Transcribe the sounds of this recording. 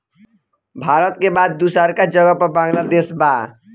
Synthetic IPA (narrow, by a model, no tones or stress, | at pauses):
bʱaɾʌt̪kebad̪ːusaɾkad͡ʒʌɡʌpbãŋlad̪esba